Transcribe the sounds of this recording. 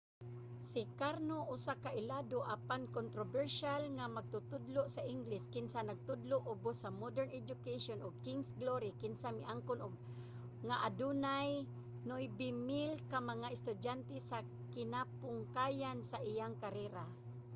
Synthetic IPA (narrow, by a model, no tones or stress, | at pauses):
sikaɾnoʔʊsakaʔɪladoʔapankont̪ɾobɛɾʃalŋamaɡ̚t̪ʊt̪ʊd̪lʊʔsaʔɪŋɡlɪskɪnsanaɡ̚t̪ʊd̪lʊʔʊbʊsamod̪ɛɾnɛd͡ʒʊkeʃonʊɡ̚kiŋsɡloɾikɪnsamɪʔaŋkʊnʊɡ̚ | ŋaʔadunaj | nʊʔjbimɪlkamaŋaɪst̪ʊdant̪ɛsa | kɪnapʊŋkajansaʔijaŋkaɾɛɾa